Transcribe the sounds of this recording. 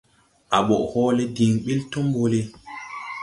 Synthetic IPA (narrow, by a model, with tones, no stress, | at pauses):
ʔa˨ɓɔ˨ʔhɔː˦le˦di˨ŋɓi˦lto˦mbo˨le˦